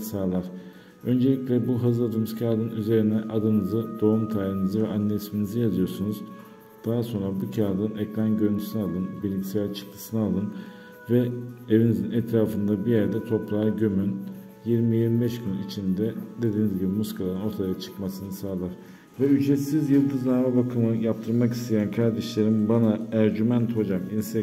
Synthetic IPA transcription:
saːlˠaɾ̥ | ø̞nd͡ʒelʲiclʲɛbuɦɯzˠad̪ɯmuz̥cʰaːd̪ɯnyze̞ɾinɛʔad̪ɯnɯzɯd̪o̞umt̪ʰaːɾinizɯvɛʔanːesminizɯjazɯjo̞ɾsunuz | d̪̥aɦaso̞nɾabucʰaːd̪ɯnɛclʲænɟø̞ɾnʰy̥synɛalˠɯnbilʲːicsɛlʲt͡ʃʰɯ̥k̚t̪ʰɯ̥sɯnɯalˠɯn | vɛevinizinɛt̪ɾaːfɯnd̪abijæɾd̪ɛt̪ʰo̞plˠaːɾɟømyn | jiɾmijiɾmibɛʃɟynit͡ʃʰind̪ɛd̪e̞d̪iːnizɟibimuskʰalˠaɾɯnot̪ʰajat͡ʃʰɯ̥kmasɯnɯsaːlˠaɾ̥ | vɛyd͡ʒɾɛt̪sizjɯlˠd̪ɯznaɾmɛbakʰɯmɯjap̚t̪ʰɯɾmaki̥st̪ʰe̞jænkʰaɾd̪ɛʃlʲe̞ɾimbanaæɾɟymænt̪ho̞d͡ʒaminsɛ

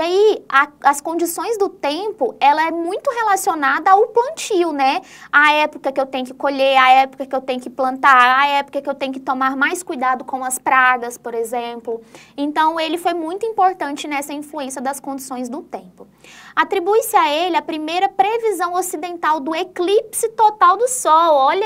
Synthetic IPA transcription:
iaiaɐskõnd͡ʒisõj̃zd̪ʊt̪ẽpʊɛlɐɛmũj̃t̪ʊɦelasionad̪ɐaʊplɐ̃nt͡ʃiwnɛ | aɛpʊkɐkɪewt̪ẽjʊkɪkoʎeɾaɛpʊ̥kɐkɪewt̪ẽj̃ʊkɪplɐ̃nt̪aɾaɛpo̥kɐkɪewt̪ẽjʊkɪ̥t̪omaɾmajskujd̪ad̪ʊkõw̃ɐspɾaɡɐspoɾezẽplʊẽnt̪ɐ̃w̃elɪfojmũj̃t̪ʊĩmpoɾt̪ɐ̃nt͡ʃɪnɛsɐĩfluẽsɐd̪ɐskõnd͡ʒisõj̃zd̪ʊt̪ẽmpʊ | at̪ɾibujsɪaelɪɐpɾimejɾɐpɾevizɐ̃w̃osid̪ẽnt̪awd̪ʊeklipsɪt̪ot̪awd̪ʊsɔwɔʎɐ

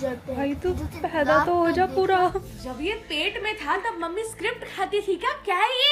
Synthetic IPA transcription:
bbʱaːit̪upɛːd̪at̪oɦod͡ʒapuːɾa | d͡ʒɐbjepeːʈmẽt̪ʰat̪ɐmɐmːiskɾɪp̚ʈkʰaːt̪iʈʰiːkakjaːe

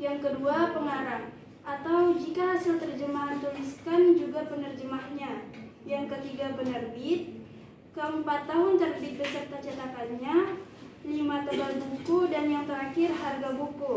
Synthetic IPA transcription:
jaŋkəduapəŋaɾaŋ | ʔat̪awd͡ʒikaɦasalt̪ərd͡ʒəmaɦant̪uliskand͡ʒuɡapənərd͡ʒəmahɲa | jaŋkət̪iɡapənərbɪt̪̚ | kəəmpat̪ːaɦʊnt̪ərbɪt̪̚bəsərt̪at͡ʃat̪akanɲa | limat̪əbalbukudanjaŋt̪əɾakɪrɦarɡabuku

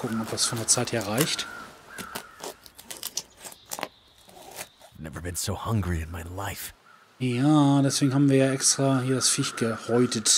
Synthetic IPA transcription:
kʰʊkŋ̩ɔp̚d̥asfɔndeːɐt͡saɪtheːɐʁaɪçt | avnɛ̰və̰˞bɨ̃nsoʊhʌ̃ŋɡɹiɨ̃nmaɪlaɪf | jaːdɛsv̥eːɡŋ̩haːbm̩viːɐjaːʔɛkstʁ̥aːhiːɐdasfɪçɡ̥əʁɔʏtʰət

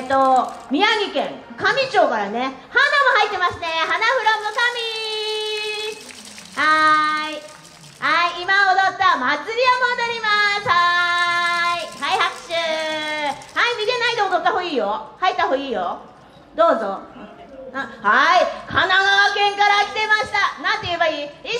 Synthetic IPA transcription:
t̪ːo̞mʲiaɡʲikẽ̞ŋkamʲit͡ɕo̞ːkaɾane̞hanamohait̪ːe̞masɨ̥t̪e̞hanaɸɯ̟ɾomːokamʲi | hai | haiːmaod̪ot̪ːamat͡sɨɾʲiomõd̪aɾʲimasha | ihaihakɕɨː | haimʲit̪e̞naid̪omod̪ot̪ːaho̞ːiːjo̞hait̪ːahoːiːjo̞ | d̪o̞ːzo̞ | ahaikʰanaɡakẽŋkaɾakʲi̥t̪e̞maɕi̥t̪anãnt̪ːeijebaiːi

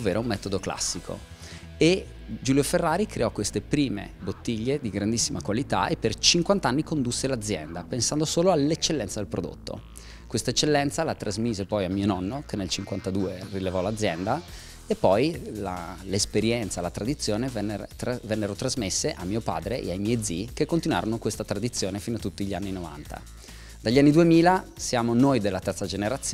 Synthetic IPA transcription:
ovːeːɾoumːɛːt̪od̪okla̰sːikʰo̰ | e | d͡ʒuːljoferːaːɾikɾeɔkwest̪epɾiːmḛbot̪ːiʎːed̪iɡɾand̪isːimakwalit̪a̰epːert͡ʃiŋkwant̪aanːikond̪usːelad̪zjɛ̰nd̪apensand̪osoːloalːet͡ʃːelːɛnt̪sad̪elpɾod̪o̰t̪ːo̰ | kwest̪aet͡ʃːelːɛnt̪salat̪ɾʔazmiːzepɔjamːiːonɔnːokenːelt͡ʃiŋkwant̪ad̪uːerilevɔlad̪zːjɛnd̪a | epːɔjla̰lespeɾjɛnt̪salat̪ɾad̪it̪sːjoːnevɛnːt̪vɛnːeɾot̪ɾazmesːeʔamːiːopa̰ːd̪ɾeʔḛajmɛjd̪zikekːont̪inwa̰ɾonokwest̪at̪ɾad̪it̪sːjoːnefinoat̪ːut̪ːiʎianːinova̰nt̪a̰ | d̪aʎːanːid̪uemiːlasjaːmonojd̪elːat̪ɛrt̪sad͡ʒeneɾat̪s

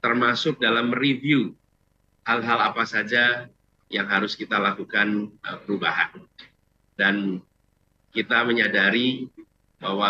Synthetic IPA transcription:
t̪ərmasʊk̚dalamrivju | halɦalapasad͡ʒa | jaŋɦaɾʊskit̪alakukanəpəɾubaɦa̰n | dan | kit̪aməɲadaɾi | bawa

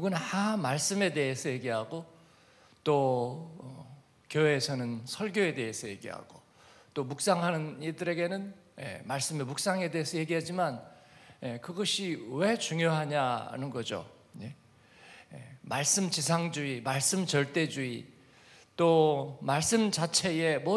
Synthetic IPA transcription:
ɡunhamaɭs͈ɯme̞de̞ɦesʰʌje̞ɡiɦaɡo | t͈o | kjoweːsʰʌnɯnsʰʌɭɡjoe̞de̞esʰʌje̞ɡiɦa̰ɡ̥o | t͈omuk̚s͈aŋɦanɯnidɯɾe̞ɡe̞nɯnjḛmaɭs͈ɯmemuk̚s͈aŋe̞de̞esʰʌje̞ɡiɦad͡ʑimanjekɯɡʌɕʰiwe̞t͡ɕuŋjoɦaɲaa̰nɯnɡʌd͡ʑo̰ | je | jḛmaɭs͈ɯmt͡ɕisʰaŋd͡ʑuimaɭs͈ɯmt͡ɕʌɭt͈e̞d͡ʑui | t͈omaɭs͈ɯmd͡ʑat͡ɕʰe̞je̞mo

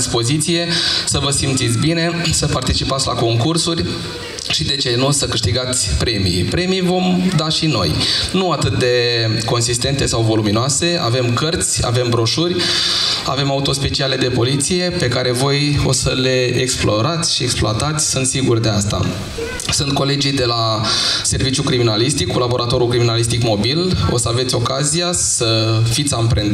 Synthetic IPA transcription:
spo̞zit̪sije̞səvəsimt̪sit̪sʲbine̞səpart̪it͡ʃipat̪sʲla̰ko̞ŋkursurʲ | ʃid̪e̞t͡ʃenusəkɨʃt̪iɡat̪sʲpɾe̞mḭjpɾe̞mijvo̞md̪aʃino̞̰jnuat̪ɨt̪̚d̪e̞ko̞ns̬ist̪e̞nt̪e̞sawvo̞luminoase̞a̰ve̞mkərt̪sʲa̰ve̞mbɾo̞ʃurʲ | a̰ve̞maut̪o̞spe̞t͡ʃiale̞d̪e̞po̞lit̪sije̞pe̞kaɾe̞vo̞jo̞̰səle̞eksploɾat̪sʲʃie̞ksploat̪at̪sʲsunt̪siɡurʲd̪e̞ast̪a̰ | sunt̪̚ko̞le̞d͡ʒijd̪e̞lase̞rvit͡ʃjukɾiminalist̪ikːulabo̞ɾʔat̪o̞ɾukɾiminalist̪ikmo̞bilosəave̞t̪sʲo̞kazijasəfit̪sʲampɾen

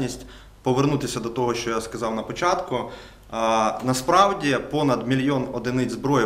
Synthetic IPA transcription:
nʲisʲtʲ | pɔʋernut̪ɪsʲɐd̪ɔt̪ɔɦɔʃt͡ʃɔjaskɐzɑwnɐpɔt͡ʃɑt̪kʊ | nɐspɾɑwdʲipɔnɐd̪mʲilʲjɔnɔd̪ɪnɪzbɾɔji

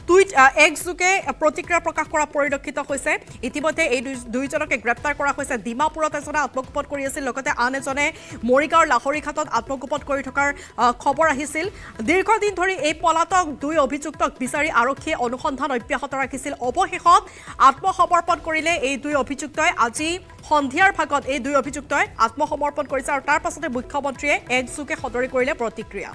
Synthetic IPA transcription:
d̥ujɛkzuɡɛpɹotikɹijapɹɔkaxkɔɹapoɹilokʰːitɔhojsɛitimɔjdʱːɛejdujzɔnɔkɛɡɹɛp̚taɹkɔɹaɦojsɛdimapuɹɔtɛzɔnɛat̚mɔɡupɔd̚koɹiasilːɔɡɔtɛʔanɛzɔnɛ | moɹiɡaɹlaɦoɹikʰatɔtatmɔɡupɔdkoɹitʰɔkaɹ | kʰɔbɔɹaɦisil | diɹɡʱɔdindʱoɹiejpɔlatɔk̚dujobʱizuk̚tɔk̚bisaɹiʔaɹokʰːiɛʔonuxɔndʱanɔjpjaxɔtɔɹakʰisilɔbɔxexɔt | atmɔxɔmɔɹpɔnkoɹilɛejdujobʱizuk̚tɔjʔazi | xɔndʱijaɹbʱaɡɔtejdujobʱizuk̚tɔjat̚mɔxɔmɔɹpɔnkoɹisɛaɹutaɹpasɔtɛmujkʰːɔmɔntɹiɛɛkzuɡɛxɔdɔɹikoɹilɛpɹɔtikɹija̰

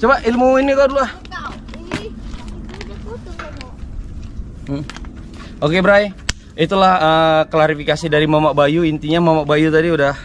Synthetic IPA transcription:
t͡ʃomaʔilmuinikadulua | t̪ | okebəɾaj | it̪ulahəklaɾifikasidaɾimamaʔbajuint̪iɲamamaʔbajut̪adiudah

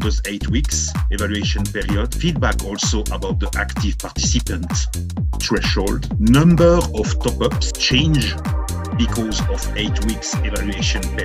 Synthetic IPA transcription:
dəzetʰwiksevalɥeʃɔ̃npɛɹiɔd̥fid̚bakʰɔlsoʔəbawt̪̚ðiʔakt̪ivpaʁt̪ʰisipə̃nt | tɹɛʃoldnʌ̃mbəɔftɔpʌpst͡ʃẽɪ̃nd͡ʒ | bikʰɔzɔveɪtʰwiksevalʉeʃɔ̃np

